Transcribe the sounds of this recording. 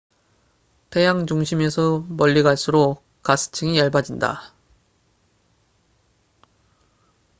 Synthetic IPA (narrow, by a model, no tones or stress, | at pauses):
tʰe̞jaŋt͡ɕuŋɕʰimesʰʌmʌʎːiɡaɭs͈uɾo | kas͈ʰɯ̥t͡ɕʰɯŋijʌɭbad͡ʑinda̰